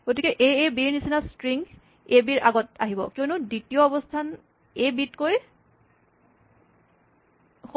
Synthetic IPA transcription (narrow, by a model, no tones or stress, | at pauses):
ɡ̥otikɛʔejebiɹnisinastɹiŋɡ | ebiɹʔa̰ɡɔta̰ɦibɔ̰kionuditijɔɔbɔstʰan | ebitkoj | x